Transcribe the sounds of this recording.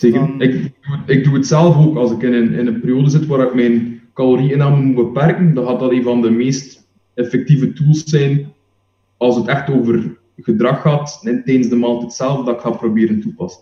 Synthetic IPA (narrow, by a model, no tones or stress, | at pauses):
seənɪkɪɡduətɪɡ̚duətsɛlˠvoːkɑlˠsɪkɪnənɪ̰nənpeːɾjoːdəzɪtʋaːɾɪkmɛjnkɑloɾiɪnaːməmubəpɛrkəndɑ̃nɣaːtdɑteːnvɑndəmeːst | efɛk̚tivətulˠsːɛjn | ɑlˠsətɛxtoːvər | ɣədrɑxːaːtnɛtɛjdənzdəmaːlˠtɛtsɛlˠvədɑɪkxaːprobeːɾəntupɑsən